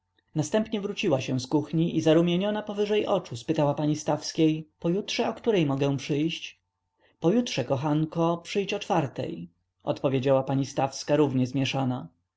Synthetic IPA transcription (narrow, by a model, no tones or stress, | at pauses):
nast̪ɛmpɲɛvɾut͡ɕiwaɕɛ̃skuxɲiʔizaɾumʲjeɲɔnapɔvɘʐɛjʔɔt͡ʂuspɘt̪awapaɲist̪afskʲejpɔjutʂɛɔkt̪uɾɛjmɔɡɛ̃w̃pʂɘjɕt͡ɕ | pɔjutʂɛkɔxankɔpʂɘjt͡ɕɔt͡ʂfaɾt̪ɛ̰j | ʔɔ̰t̪pɔvʲjed͡ʑawapaɲist̪afskaɾuvɲɛzmʲjɛʂana